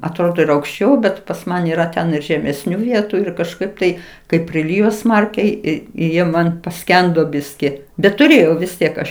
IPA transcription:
ɐtˈroːdoː ɪr ɐʊkʃʲˈt͡ʃʲɛʊ ˈbʲɛt pɐs ˈmɐn iːˈrɐ tʲɛn ɪr ʒʲɛmʲɛsʲˈnʲuː ˈʋʲiɛtʊ ɪr kɐʃˈkɐɪp tɐɪ kɐɪp pʲrʲɪˈlʲɪjoː ˈsmɐrʲkʲɛɪ ˈɪ ɪ ˈjiɛ ˈmɐn pɐˈsʲkʲɛndoː ˈbʲɪsʲkʲɪ bʲɛt tʊˈrʲeːjɛʊ ʋʲɪs ˈtʲiɛk ˈɐʃ

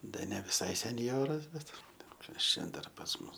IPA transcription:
ˈdɐ nʲɛ ʋʲɪˈsɐɪ sʲɛnʲˈjoːrɐs ˈbʲɛt ˈbʲɛt ˈkɐs t͡ʃʲɛ ˈdɐr pɐs ˈmʊs

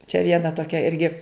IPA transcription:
t͡ʃʲɛ ˈʋʲiɛnɐ toːˈkʲɛ ˈɪrʲɡʲɪ

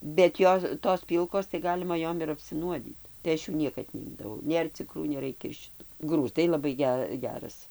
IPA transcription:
bʲɛt ˈjoː toːs ˈpʲiːlˠkoːs tɐɪ ˈɡɑːlʲɪmɐ ˈjoːm ɪr ɐpʲsʲɪˈnuɔdʲiːt tɐɪ ˈɐʃ juː ˈnʲiɛkɐt nʲɛˈɪmdɐʋɐʊ ˈnʲeːr t͡sʲɪkˈruː nʲɛˈrɐɪkʲɛ ɪr ʃʲɪˈtʊ ˈɡruːzdɐɪ lˠɐˈbɐɪ ˈɡʲɛ ˈɡʲæːrɐs

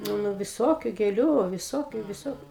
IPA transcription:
ˈnʊ ˈnʊ ʋʲɪˈsoːkʲʊ ɡʲeːˈlʲʊ ʋʲɪˈsoːkʲʊ ʋʲɪˈsoːkʲʊ

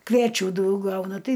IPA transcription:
kʋʲiɛˈt͡ʃʲuː ˈdɐʊk ˈɡɐʊnɐ ˈtɐɪ

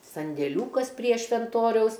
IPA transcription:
sɐnʲdʲeːˈlʲuːkɐs pʲrʲiɛ ʃʲʋʲɛnˈtoːrʲɛʊs

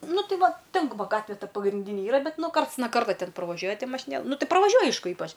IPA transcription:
ˈnʊ ˈtɐɪ ˈʋɑːˈtʲɛn ʋɐ ˈɡɑːtʲʋʲɛ ˈtɐ pɐɡrʲɪnʲˈdʲiːnʲɪ ˈiːrɐ ˈbʲɛt ˈnʊ ˈkɐrts nɐ ˈkɐrtoː ˈtʲɛn prɐˈʋɑːʒʲuɔjɛ ˈtʲɪ mɐʃʲɪˈnʲeːlˠɐ ˈnʊ ˈtɐɪ prɐʋɐˈʒʲuɔj ˈɐɪʃkʊ ˈiːpɐt͡ʃ

